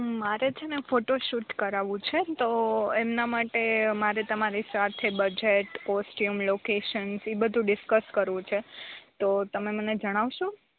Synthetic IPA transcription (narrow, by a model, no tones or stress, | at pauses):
maɾed͡ʒʰenefoʈoʃuʈkəɾaʋũt͡ʃʰet̪oemnamaʈemaɾet̪əmaɾisat̪ʰebəd͡ʒeʈkɔsʈjumlokeʃənsibəd̪ʱũɖɪskəskəɾʋũt͡ʃʰet̪ot̪əmeməned͡ʒəɽ̃aʋʃũ